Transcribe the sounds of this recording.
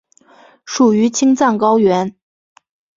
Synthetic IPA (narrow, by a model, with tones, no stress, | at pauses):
ʂu˨˩y˧˥t͡ɕʰi˥ŋt͡sa˥˩ŋkɑ˥ʊɥɛ˧˥n